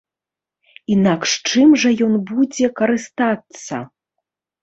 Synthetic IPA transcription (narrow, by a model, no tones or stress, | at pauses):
inakʂt͡ʂɨmʐɐjɔnbud͡zʲɛkɐɾɨst̪at̪sːɐ̰